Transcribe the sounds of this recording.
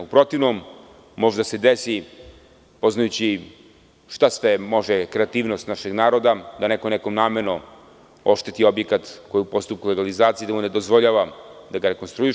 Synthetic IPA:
upɾo̞t̪iʋnomː | o̞ʒd̪ase̞d̪esi | po̞znajut͡ɕi | ʃt̪asʋe̞mo̞ʒekɾeat̪iːʋnost̪naʃe̞ɡnaːɾo̞d̪ad̪anekonekomnaːmeɾno | o̞ʃt̪e̞t̪io̞bjekat̪ko̞jupo̞st̪up̚kule̞ɡalizaːt̪siːd̪amune̞d̪ozʋoʎaʋad̪aɡaɾeko̞nst̪ɾui

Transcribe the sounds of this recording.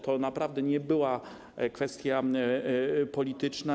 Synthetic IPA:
t̪ɔnapɾavd̪ɛɲɛbɘwa | kfɛst̪ʲja | pɔlʲit̪ɘt͡ʂna

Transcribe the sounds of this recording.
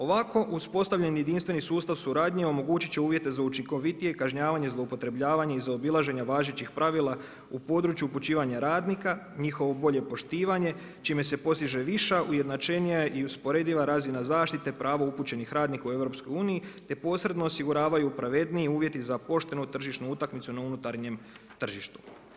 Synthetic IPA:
o̞ʋako̞ʔuspo̞st̪aʋʎenje̞d̪inst̪ʋe̞nisuːst̪aʋsuɾaːd̪ɲeo̞mo̞ɡuːt͡ɕit͡ɕeuːʋje̞t̪e̞zaut͡ʃiŋko̞ʋit̪ijekaʒɲaːʋaɲe̞zlˠoupo̞t̪ɾe̞bʎaːʋaɲaizaobilˠaʒe̞ɲaʋaːʒet͡ɕixpɾʔaʋiːlˠa | upo̞d̪ɾuːt͡ʃjuput͡ɕiːʋaɲaɾaːd̪nika | ɲixo̞ʋo̞bo̞ʎe̞po̞ʃt̪iːʋaɲe̞ | t͡ʃime̞se̞po̞st̪iʒe̞ʋiʃaʔuje̞d̪nat͡ʃe̞nijaʔiuspo̞ɾe̞d̪iʋaɾazinazaːʃt̪it̪epɾʔaːʋouput͡ɕe̞nixɾaːd̪nikaue̞vɾo̞psko̞juːnijit̪e̞po̞ːsɾe̞d̪no̞ːsiɡuɾaːʋajupɾaʋe̞d̪niiuːʋje̞t̪izapo̞ʃt̪e̞nut̪r̩ʒiʃt̪nuut̪akmit̪sunaunut̪aɾɲe̞m | t̪r̩ʒiʃt̪u̥

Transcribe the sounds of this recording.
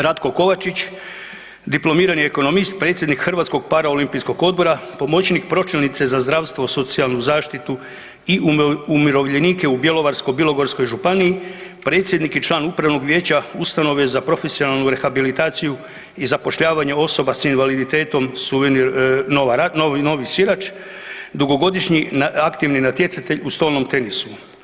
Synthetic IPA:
ɾad̪ko̞ko̞ʋat͡ʃit͡ɕ | d̪iplo̞miːɾanieko̞no̞mist̪̚pɾe̞ːt̪sjed̪nikxr̩ʋaːt̪sko̞ɡ̚paɾao̞limpisko̞ɡo̞d̪̚bo̞ɾapo̞mo̞t͡ɕnik̚pɾo̞t͡ʃilnit̪se̞zazd̪ɾaʋst̪ʋo̞so̞t̪sialˠnuzaːʃt̪it̪u | iʔuumiɾo̞ʋʎe̞niːke̞ubje̞lo̞ʋaɾsko̞jbilˠo̞ɡo̞ɾsko̞jʒupaniːipɾe̞ːt̪sʲje̞d̪nikit͡ʃlˠaːnupɾaʋno̞ɡʋje̞ːt͡ɕaust̪ano̞ʋezapɾo̞fe̞sio̞nalˠnuɾe̞xabilit̪aːt̪siju | izapo̞ʃʎaːʋaɲe̞o̞so̞basinʋalid̪it̪e̞ːt̪o̞msuʋeninoʋaanono̞ʋisiɾat͡ʃ | d̪uɡo̞ɡo̞d̪iʃɲinakt̪iʋninat̪je̞t̪sat̪e̞ʎust̪o̞ːlnomt̪e̞nisu

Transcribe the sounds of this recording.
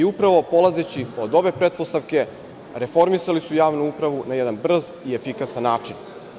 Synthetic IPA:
iupɾaʋo̞po̞lazet͡ɕio̞d̪o̞ʋe̞pɾet̪̚po̞st̪aʋke̞ | ɾefo̞ɾmisalisujaːʋnuupɾaʋunajɛd̪anbr̩ziefikasanːaːt͡ʂin

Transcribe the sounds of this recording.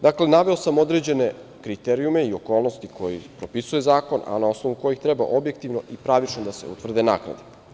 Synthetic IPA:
d̪akle̞naʋe̞o̞samo̞d̪ɾe̞d͡ʑe̞ne̞kɾit̪eɾiume̞io̞ko̞ːlˠno̞st̪ikʰo̞jipɾo̞pisuje̞zaːko̞na̰nao̞sno̞ʋuko̞jixt̪ɾeba̰ʔo̞bje̞k̚t̪iʋno̞ʔipɾaʋit͡ʃnod̪ase̞̰ṵt̪ʋr̩d̪ena̰kɾa̰d̪e

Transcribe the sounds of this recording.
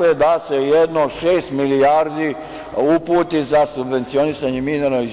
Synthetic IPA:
ed̪asejed̪noʃeːst̪milijaːɾd̪i | upuːt̪izasubʋe̞nt̪sio̞nisaɲemineɾoiz

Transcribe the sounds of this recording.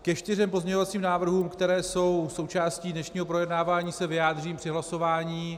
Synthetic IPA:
kɛʃt̪ɪrɛmpozɲɛɲovat͡siːmnaːvr̩ɦuːmkt̪ɛɾɛːso̞wso̞wt͡ʃaːsciːdnɛʃɲiːɦo̞pɾo̞jɛdnaːvaːɲiːsɛvɪjaːd̪r̝iːmpr̥ɪɦlaso̞vaːɲiː

